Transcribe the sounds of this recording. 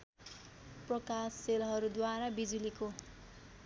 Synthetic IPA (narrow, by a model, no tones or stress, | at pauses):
prʌkasːelɦʌɾud̪waɾabid͡zuliko